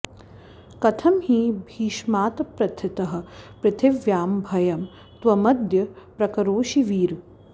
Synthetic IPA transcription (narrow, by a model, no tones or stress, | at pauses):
kɐt̪ʰɐmhiːbʱiːʃmaːt̪ɐpɾɐt̪ʰːɪt̪ɐɦɐ̆pɾɪt̪ʰɪʋjaːmbʱɐjɐm | t̪ʋɐmɐd̪jɐpɾɐkɐɾoːʃiʋiːɾ